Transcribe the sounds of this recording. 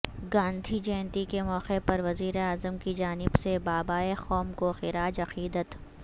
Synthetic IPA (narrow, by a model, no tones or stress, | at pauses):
ɡãːnd̪ʱid͡ʒɛ̃ːnt̪ikemɔːqepɐɾʋɐziːɾeaːzəmkid͡ʒaːnɪbsebaːbaːexɔːmkoxɪɾaːd͡ʒɐqiːd̪ət̪